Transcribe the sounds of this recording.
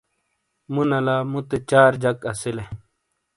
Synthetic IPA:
munɐlaːmut̪et͡ɕaːɾd͡ʑɐkɐsile

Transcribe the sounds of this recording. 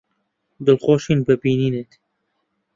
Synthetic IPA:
d̪ɨlxoːʃinpɛpiːniːnet̪

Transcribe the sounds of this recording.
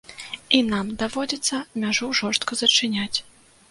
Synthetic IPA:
inamd̪avɔd͡zʲɛt̪sːɐmʲaʐuwʐɔrʂst̪kɐzɐt͡ʂɨnʲat͡sʲ

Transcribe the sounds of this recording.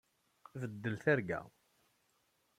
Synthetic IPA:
vəd̪ːəlθæɾɡæ̰

